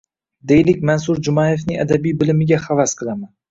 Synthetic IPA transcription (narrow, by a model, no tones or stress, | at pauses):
d̪ejlɪkʲmansuɾd͡ʒʊmɑjefnɪad̪abijbɪlɪmɪɡʲaχavasqʰɨlˠaman